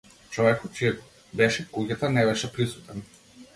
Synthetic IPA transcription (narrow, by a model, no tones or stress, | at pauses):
t͡ʃɔvɛkɔt̪̚t͡ʃijɛ | bɛʃɛkuɡat̪anɛbɛʃɛpɾisu̥t̪ɛn